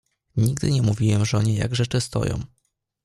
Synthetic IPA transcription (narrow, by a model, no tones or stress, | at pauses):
ɲiɡd̪ɘ̰ɲɛmuvʲiwɛmʐɔɲɛja̰ɡʐɛt͡ʂɘst̪ɔ̰jɔ̰̃w̃